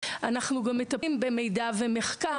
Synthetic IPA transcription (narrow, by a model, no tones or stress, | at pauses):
ʔanaχnuɡamːet̪aimbemejdaveme̞χka